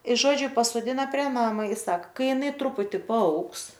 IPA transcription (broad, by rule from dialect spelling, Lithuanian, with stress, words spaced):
ɪ ˈʒoːd͡ʒʲʊ pɐsoːˈdʲɪnɐ pʲrʲiɛ ˈnɑːmɐ ɪ ˈsɑːkɐ ˈkɐɪ jɪˈnɐɪ ˈtrʊpʊtʲɪ pɐˈɐʊks